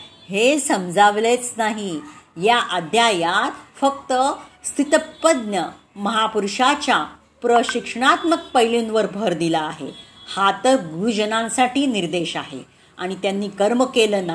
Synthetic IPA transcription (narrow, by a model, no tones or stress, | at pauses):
hesəmd͡zaʋlet͡snaɦijaʔəd̪ʱjajat̪fək̚t̪əst̪ʰit̪əpəd̪njə | məɦapuɾʂat͡ɕja | pɾəɕikʂəɳat̪mək̚pəjlũnʋəɾbʱəɾd̪ilaːɦḛhat̪əɡud͡ʑənãnsaʈiːniɾd̪eɕaɦḛ | aɽ̃it̪janːiːkəɾməkeləːna